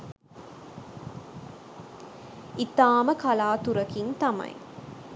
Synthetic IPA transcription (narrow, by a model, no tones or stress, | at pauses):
it̪aːməkɐlaːt̪uɾɐkint̪ɐmɐ̰j